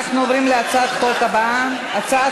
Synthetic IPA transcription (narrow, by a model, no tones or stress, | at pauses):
aχnuovɾimleat͡saat̪χolkabaa | at͡saa